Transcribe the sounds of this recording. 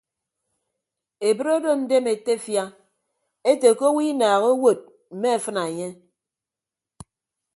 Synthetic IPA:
e˨bɨ˦ɾo˦do˦n̩˦de˦me˨te˦fja˦ | e˦te˨ko˦wi˦naː˨ɣo˦wo˦˨t̚ | m̩˨me˦a˨fɨ˦na˨e˨ɲe˦

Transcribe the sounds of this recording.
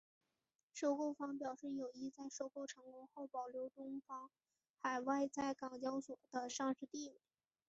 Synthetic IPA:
ʂo˥ʊko˥˩ʊfɑ˥ŋpjɑ˨˩ʊʂɻ̩˥˩jo˨˩ʊi˥t͡sa˥˧ɪʂo˥˧ʊko˥˩ʊʈ͡ʂʰɤ˧˥ŋkɔ˥ŋxo˥˩ʊpɑ˨˩ʊljo˧˥ʊt̪ʊ˥ŋfɑ˥ŋ | xa˨˩ɪwa˥˧ɪt͡sa˥˩ɪkɑ˨˩ŋt͡ɕjɑ˥ʊswɔ˨˩d̪̥ə˦ʂɑ˥˧ŋʂɻ̩˥˧t̪i˥˩wi˨˩˦

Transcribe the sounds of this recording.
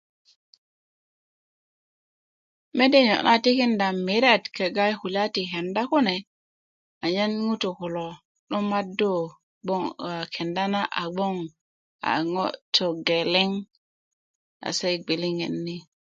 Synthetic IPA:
me˦de˦ɲo̰˨ʔna˦ti˦ki˦nda˨mːi˨ɾa˦˨tke˨ɡa˦jhu˨la˦ti˨ɦe˨nda˦ku˦ne˨ | a˨ɲa˦nŋu˦to˨ku˨lo˨ | ɗo˦ma˦do˦ | ɡ͡bo˦ŋa˨kʰe˨nda˦na˦ʔa̰˨ɡ͡bo˦ŋ | a̰˨ŋo˦tʰo˨ɡe˨le˦ŋ | a̰˨se˦jɡ͡bi˨li˦ŋḛ˨nːi˦

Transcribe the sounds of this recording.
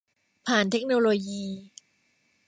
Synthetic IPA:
pʰaː˨˩nt̪ʰe˦˥k̚noː˧loː˧jiː˧

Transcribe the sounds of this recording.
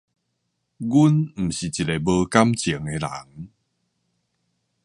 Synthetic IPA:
ɡu˦nm̩˨˩ɕi˨˩t͡ɕi˨˩e˨˩bə˧ka˦mt͡ɕi˨˩˦ŋe˧la̰˨˦ŋ

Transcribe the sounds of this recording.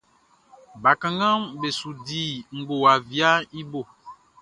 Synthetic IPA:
ba˨kã˨ŋɡã˦mbe˨su˨di˨ŋ̩˨ɡ͡bo˨a˨vi˦a˦i˦bo˨

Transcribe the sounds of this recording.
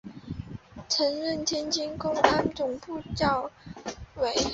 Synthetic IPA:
ʈ͡ʂʰə˧˥ŋɻə˥˩nt̪ʰjɛ˥nt͡ɕi˥nkʊ˥ŋa˥nʈ͡ʂʊ˨˩ŋpu˥˧t͡ɕjɑ˥˩ʊ | we˧˥ɪ

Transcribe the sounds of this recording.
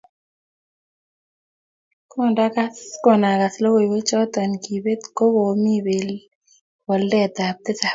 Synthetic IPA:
kɔ˦nda˦ka˦skɔ˨na˨ka˨slo˦we˨we˦t͡ʃɔ˦t̪a˨nki˨be˦t̪ko˦wo˨mi˦be˨l | wɔ˨ldɛ˨d̪a˨p̚t̪ɪ˦sa˨

